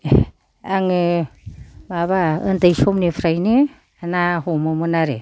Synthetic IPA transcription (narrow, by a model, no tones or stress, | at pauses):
aŋɯ | maβaɯndajsɔmnipʰɾajnɯ | anaɦɔmɯmɯnaɾe